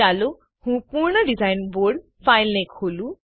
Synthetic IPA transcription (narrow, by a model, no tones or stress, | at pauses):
alu | hũpuɹnɔɖizajnboɹɖ | fajlnekholũ